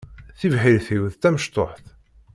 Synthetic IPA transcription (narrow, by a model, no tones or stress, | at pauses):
θivħilθiwðt̪æməʃt̪ˤoħθ